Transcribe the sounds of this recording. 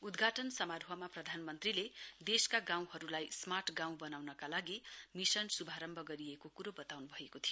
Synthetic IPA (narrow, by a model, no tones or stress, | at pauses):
ud̪ɡʱaʈʌnsʌmaɾʱɦʌmaprʌd̪ʱanmʌnt̪riled̪eskaɡãw̃ɦʌɾulajsmaʈʰɡãw̃bʌnawnʌkalaɡimisʌnsubʱaɾʌmbʱʌɡʌɾiekokuɾobʌt̪awnubʱʌekot̪ʰijo